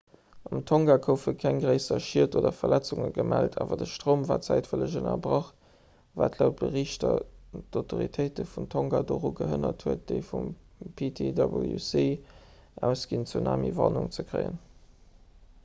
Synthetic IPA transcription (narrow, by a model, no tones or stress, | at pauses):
ɑmtʰoŋɡaːkʰəʊfəkʰæŋɡʁəɪsɐʃiəɐtoːdɐfɐlæt͡suŋəɡəmæltʰaːvɐdəʃtʁoːmvaːt͡sæɪtfələʑənɐ̰bʁɑχ | vaːtlaʊt̚b̥əʁiːʃtɐdoʊtʰoʁitʰəɪtəfumtʰoŋɡadoːʁuɡəɦənɐthuət̚d̥əɪfum | pʰitʰedɑbə̰ljṵsiː | ʔæʊsɡ̥int͡suna̰ːmḭvɑnuŋt͡səkʁəɪə̰n